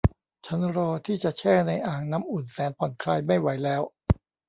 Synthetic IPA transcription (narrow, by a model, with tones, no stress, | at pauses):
t͡ɕʰa˦˥nɾɔː˧t̪ʰiː˥˩t͡ɕa˨˩ʔt͡ɕʰɛː˥˩na˧jʔaː˨˩ŋna˦˥mʔu˨˩nsɛː˩˦npʰɔ˨˩˦nkʰɾaː˧jma˥˩jwa˩˦jlɛː˦˥w